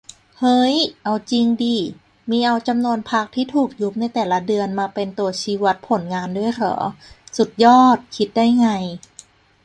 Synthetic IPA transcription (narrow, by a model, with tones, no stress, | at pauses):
hɤ˦˥jʔa˧wt͡ɕi˧ŋdiː˧ | miː˧ʔa˧wt͡ɕa˧mnu˧ənpʰa˦˥k̚t̪ʰiː˥˩t̪ʰuː˨˩k̚ju˦˥p̚na˧jt̪ɛː˨˩la˦˥dɯ˧ənmaː˧pe˧nt̪u˧ɐt͡ɕʰiː˧wa˦˥t̪̚pʰo˩˦nŋaː˧ndu˥˩əjkʰɔ̰ː˩˦su˨˩t̪̚jɔː˥˩t̪̚kʰi˦˥t̪̚daː˥˩jŋa˧j